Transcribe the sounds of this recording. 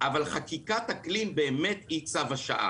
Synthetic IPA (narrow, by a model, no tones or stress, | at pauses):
ʔavalχakikat̪aklimbe̞ːme̞t̪it͡savaʃa̰ʔa̰